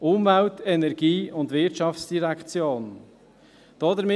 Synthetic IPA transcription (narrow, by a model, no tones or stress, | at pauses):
ʔʊmvæwtɛnɛɾɡ̥iːʊndvɪɾtʃɑft͡sd̥iɾækt͡sjoːn | d̥ɔd̪əɾmɪ